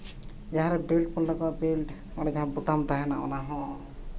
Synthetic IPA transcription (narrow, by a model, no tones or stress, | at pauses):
d͡ʒaɦãɾɛbilʈ̚punlakɔabilʈ | ɔnad͡ʒaɦãbut̪amt̪aɦɛna̰ʔɔ̰naɦɔ̃